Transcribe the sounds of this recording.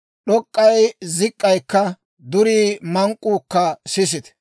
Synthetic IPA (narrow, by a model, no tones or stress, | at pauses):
ɗɔkʼːɐjzɪkʼːɐjkːɐ | d̪ʊɾiːmɐŋkʼuːkːɐsɪs̬ɪt̪ɛ̥